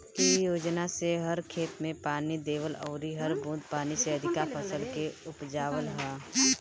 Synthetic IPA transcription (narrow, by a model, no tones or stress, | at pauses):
ijoːd͡ʒnaseɦɐɾkʰeːt̪mẽpaːnid̪eːʋəlɔːɾiɦɐɾbũːd̪̚paːniseəd̪ʱɪkapʰəsəlkeʊpd͡ʒaːʋəlɦɛː